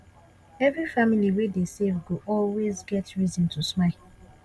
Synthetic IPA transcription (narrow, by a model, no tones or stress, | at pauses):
ɛvɹifamiliwedesevɡoʔɔlwezɡɛtɹizĩntʰusmaɪ